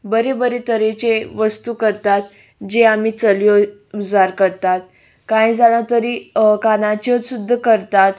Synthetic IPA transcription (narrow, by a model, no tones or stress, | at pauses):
bəɾebəɾet̪əɾet͡ɕeʋəst̪ukəɾt̪at̪ | d͡ʑeamiːt͡səljɔud͡zaɾkəɾt̪at̪ | kãjd͡zaɽ̃at̪əɾiːkanat͡ɕət̪sud̪ʱːəkəɾt̪at̪